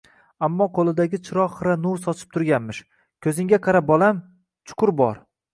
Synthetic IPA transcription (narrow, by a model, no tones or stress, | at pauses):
amːɒqʰolˠɪd̪aɡʲɪt͡ʃʰɪɾɒːɨɾanusɒt͡ʃʰɪ̥p̚t̪ʰʊɾɡʲanmɪʃ | kʲʰɵzɪŋɡʲaqʰɑɾabɒlˠam | t͡ʃʰʊ̥qʰʊɾbɒɾ